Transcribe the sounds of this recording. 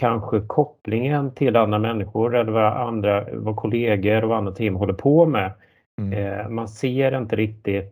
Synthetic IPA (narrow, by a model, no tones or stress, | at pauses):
kʰanɧəkʰɔpːlɪŋənt̪ʰɪlanːɾamɛnːɪɧʊɾɛlːəɾvaʔand̪ɾavakʰʊleːɡəɾɔvanːat̪ʰːɪŋːmɦɔlːəɾpʰɔːmɛ | manseːɾɪnt̪əɾɪk̚t̪ɪt̪